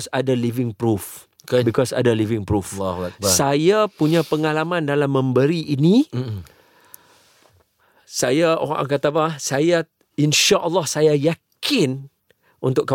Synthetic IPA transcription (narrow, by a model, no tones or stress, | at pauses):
sadəlivɪŋpɾuf | bikɔsa̰dəlivɪŋpɾufak̚sajapuɲãpəŋalamãndalamːə̃mbəɾiʔinĩ | sajao̰ɾa̰ŋkat̪abahsaja | inʃaʔəlːɑhsajajakɪn | unt̪ʊkːa